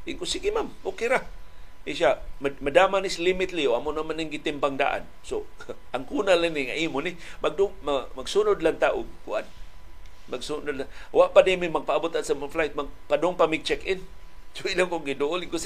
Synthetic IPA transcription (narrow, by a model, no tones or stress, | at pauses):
ɪŋkʊsiɡimambokɪɾaiʃamamadamanislimɪt̪lioamʊnamanɪŋɡɪt̪ɪmpaŋda̰ʔa̰n | so | aŋkunalaniŋaʔimʊnɪmaɡ̚dʊŋmamaɡsunʊdlaŋt̪aʔʊɡ̚kuʔan | maɡsunʊdlawaʔpanimimaɡ̚paabʊt̪ansamaflajt̪̚maɡ̚padʊŋpamɪɡ̚t͡ʃɛkʔɪn | sʊilaŋkʊŋɡidʊʔʊlɪŋkʊs